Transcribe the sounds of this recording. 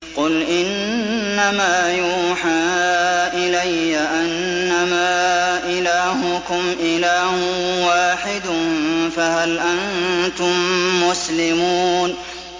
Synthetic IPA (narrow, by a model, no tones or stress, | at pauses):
qʊlʔɪnː | amaːjuːħaːʔɪlajːaʔanː | amaːʔɪlaːɦʊkʊmʔɪlaːhʊwaːħɪd̪ʊnfaɦalʔant̪ʊmːʊslɪmun